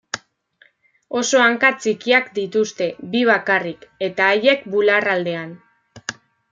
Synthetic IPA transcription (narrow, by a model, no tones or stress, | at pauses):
o̞so̞aŋkat͡sikiakd̪it̪ust̪e̞biβ̞akarike̞t̪aːje̞k̚bularald̪e̞an